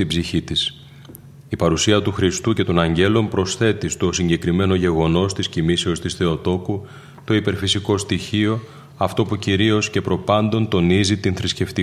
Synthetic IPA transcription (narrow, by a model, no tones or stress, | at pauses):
ibziçit̪is | ipɐɾusiɐt̪uxɾist̪uce̞t̪o̞nɐɲɟe̞lo̞mpɾo̞sθe̞t̪ist̪osiɲɟe̞kɾime̞no̞ʝe̞ɣo̞no̞st̪iscimise̞o̞st̪isθe̞o̞t̪o̞ku | t̪o̞ipe̞ɾfisiko̞st̪içio̞ | ɐft̪o̞puciɾio̞sce̞pɾo̞pɐnd̪o̞nt̪o̞nizit̪inθɾisce̞ft̪i